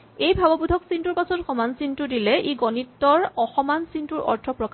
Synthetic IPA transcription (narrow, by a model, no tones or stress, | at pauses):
ejbʱabɔbudʱɔksintuɹpasɔtxɔmansintʊdilɛʔiɡɔnitːɔɹɔxɔmansintuɹɔ̰ɹtʰɔpɹɔka